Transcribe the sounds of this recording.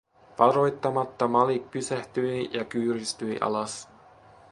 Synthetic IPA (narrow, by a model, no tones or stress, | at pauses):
ʋɑɾo̞jt̪ːɑmɑt̪ːɑmɑlik̚pysæht̪yjjɑkyːɾist̪yjʔɑ̰lɑs